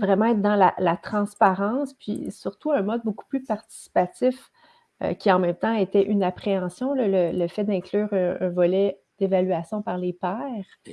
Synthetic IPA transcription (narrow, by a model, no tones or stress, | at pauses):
vʁɛmɑ̃ɛt̪̚d̪ɑ̃lalat̪χɑ̃spaʁɑ̃spɥḭsyʁt̪uœ̃mɔd̪̚boku̥plypaʁt̪i̥si̥pat̪ɪf | ø̰kʲiɑ̃mɛ̃mt̪ɑ̃et̪ɛʔynapχeɑ̃sjɔ̃lələləfɛd̪ɛ̃klyːʁɛ̃vɔlɛ | d̪̥evalyasjɔ̃paʁlepɛːʁ